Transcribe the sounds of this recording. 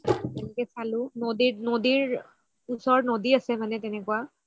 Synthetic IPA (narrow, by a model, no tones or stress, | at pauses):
tɛnɛkɛsalʊ̃nodinodiɹ | usɔɹnodiasɛmanɛtɛnɛkuwa